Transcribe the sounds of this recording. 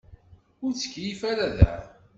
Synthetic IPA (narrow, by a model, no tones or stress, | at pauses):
ʊɾt͡sːə̥kːjifæɾæðæ̰